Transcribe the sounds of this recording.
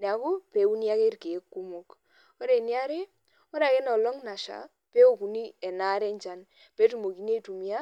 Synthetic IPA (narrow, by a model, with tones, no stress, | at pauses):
nɛ˨a˨˦ko˦pe˨˦u˦ni˦a˦ke˦ɾke˨˦kːu˦mo˦k | o˦ɾe˨ni˦a˦ɾe˦ | ɔ˦ɾa˨ke˦nɔ˨lɔ˦ŋna˨ʃa̰˨ | pe˦o˨ku˨ni˦ɛ˨na˦ɾɛ˦ɲt͡ʃa˦n | pe˦tu˦˨mo˨ki˨n˦e˦tu˨mi˨˦a˦